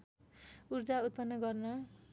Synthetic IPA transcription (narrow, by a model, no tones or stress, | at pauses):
urd͡zaut̪̚pʌnːʌɡʌrnʌ